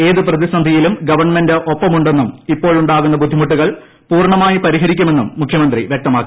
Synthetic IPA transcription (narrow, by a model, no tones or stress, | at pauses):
e̞ːðɨprɐðisɐnd̪ʱɐjilumɡɐʋɐrɳmendeʔopːɐmuɳɖe̞nːumipːo̞ːɭuɳɖaːɣunːɐbud̪ʱːimuʈːuɣɐɭ | puːrɳɐmaːjipɐɾiɦɐɾikʲːume̞nːumːukʰjɐmɐnd̪riʋjɐk̚t̪ɐmaːkːi